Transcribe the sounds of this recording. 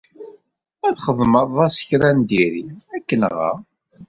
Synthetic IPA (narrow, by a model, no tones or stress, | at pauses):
æðχəðˤməðˤɑsə̥çɾænd̪iɾiækːənʁa̰